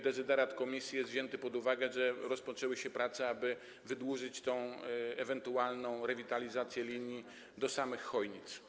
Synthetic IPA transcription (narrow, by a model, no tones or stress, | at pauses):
d̪ɛt̪zɘd̪ɛɾat̪kɔmʲisʲjijɛst̪vʑɛnt̪ɘpɔd̪uvaɡɛʐɛɾɔspɔt͡ʂɛwɘɕɛpɾat̪sɛabɘ | vɘd̪wuʐɘt͡ɕt̪ɔ̃w̃ɛvɛnt̪ualnɔ̃w̃ɾɛvʲit̪alʲizat̪sʲjɛlʲiɲji | d̪ɔsamɘxːɔjɲit̪s